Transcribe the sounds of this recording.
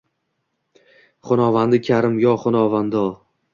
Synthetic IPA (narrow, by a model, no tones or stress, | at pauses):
χʊnɒvand̪ɪkʲʰaɾɪmjɒχʊnɒvand̪ɒ